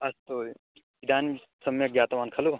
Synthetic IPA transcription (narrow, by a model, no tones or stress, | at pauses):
ɐst̪o | id̪aːn | sɐmekɡjaːt̪ɐʋaːnkʰɐlu